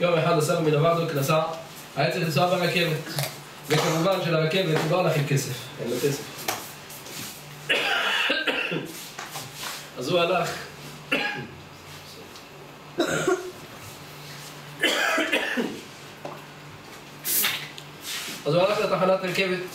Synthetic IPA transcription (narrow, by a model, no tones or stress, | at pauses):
jomeħad̪asamminavaʕd̪oknasa | ajet͡siχlis̬abeʁakevet̪ | vekamuvanʃelaʁakevet̪uloalaχelkesef | ḛlakesef | ʔazualaχ | ʔazualaχlat̪aħanat̪ɑʁkevet̪